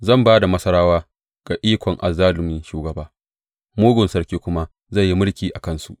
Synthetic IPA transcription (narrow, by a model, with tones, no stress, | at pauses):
zɐ˦˨mbaː˦da˨mɐ˦sɐ˦ɾaː˦waː˦ | ɡ̥a˨ʔiː˦kʷɔ˨ŋʔa˨zaː˦lʊ˨m˦nʃuː˨ɡɐ˨baː˦ | moː˦ɡʷʊ˨nsɐ˦rkʲeː˦kʷʊ˦ma˦ | zɐ˦˨jːi˦mʊ˦ɽkʲiː˨ʔa˨kɐ˦nsu˨ʔ